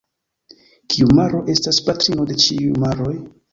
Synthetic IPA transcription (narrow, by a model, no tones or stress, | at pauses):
kʰiumaɾo̞ʔe̞staspatɾino̞de̞t͡ʃiujmaɾo̞j